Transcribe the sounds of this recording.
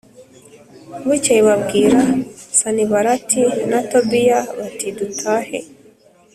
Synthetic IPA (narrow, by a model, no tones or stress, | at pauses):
βut͡ʃaiβaβɡiɾasaniβaɾatʰinatɔbijaβatidutʰahɛ̰